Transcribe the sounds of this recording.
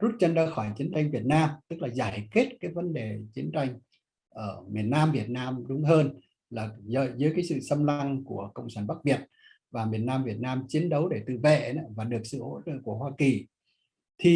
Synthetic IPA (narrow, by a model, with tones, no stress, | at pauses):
zu˦˥t̚t͡ɕə˧nzaː˧xɔ˧˩jt͡ɕi˨˦ənt͡ɕa˧jŋ̟vi˨˩ət̚naː˧mt̪ɨ˦˥k̚laː˨˩zaː˧˩jkwi˦˥t̚kaː˨˦jvə˨˦nɗe˨˩t͡ɕi˨˦ənt͡ɕa˧jŋ̟ | ʔəː˧˩mi˨˩ənːaː˧mvi˨˩ət̚naː˧mɗʊ˨˦ŋ͡mɦəː˧n | laː˨˩zəː˧˨zɨ˨˦jkaː˨˦sɨ̰˧˨sə˧mla˧ŋku˧˩əkə̰˧˨wŋ͡msaː˧˩nɓa˦˥k̚ɓi˨˩ət̚ | vaː˨˩mi˨˩ənːaː˧mvi˨˩ət̚naː˧mt͡ɕi˨˦ənɗə˨˦wɗe˧˩t̪ɨ̰˧˨vḛ˧˨˦vaː˨˩ɗɨ˨˩ək̚sɨ̰˧˨ho̰˧˥t͡ɕə̰ː˧˨ku˧˩əhwaː˧ki˨˩ | t̪ʰi˨˩